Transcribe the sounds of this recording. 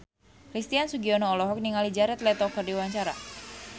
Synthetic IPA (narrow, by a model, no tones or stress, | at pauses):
kɾist̪iansuɡiɔnoːlɔɦɔk̚niŋalid͡ʒaɾɛt̪lɛt̪ɔkərdiwaɲt͡ʃaɾa̰